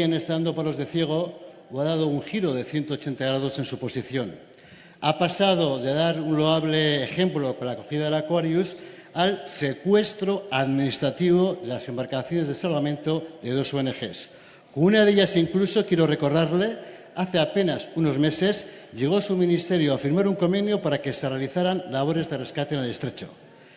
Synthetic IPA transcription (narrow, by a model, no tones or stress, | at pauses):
ene̞st̪aand̪o̞palo̞zðe̞θje̞ɣ̞o̞ | waðað̞o̞uŋxiɾo̞ð̞e̞θje̞nt̪ot͡ʃe̞nt̪aɣ̞ɾaðo̞se̞nsupo̞siθjo̞n | apasað̞o̞ðe̞ðaɾunlo̞aβle̞ːxe̞mplo̞ko̞nlako̞xiðaðe̞lakwaɾjus | alse̞kwe̞st̪ɾo̞aðminist̪ɾat̪iβ̞o̞ðe̞lase̞mbaɾkaθjo̞ne̞zð̞esalβamẽ̞nt̪o̞ðe̞ð̞o̞so̞ene̞xe̞s | kounaðe̞ʎasiŋkluso̞kjeɾo̞re̞ko̞ɾðaɾle̞ | aθe̞ape̞nasuno̞zme̞se̞zʎe̞ɣ̞o̞sumĩnist̪e̞ɾjoafiɾmaɾuŋko̞mbe̞njopaɾake̞serealiθaɾanlaβ̞o̞ɾe̞zðe̞re̞skat̪eːnelest̪ɾe̞t͡ʃo̞̰